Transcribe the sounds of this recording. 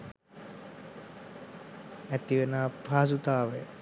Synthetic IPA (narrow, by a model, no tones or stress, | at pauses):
æt̪iʋenaːpaːs̬ut̪aːʋəjə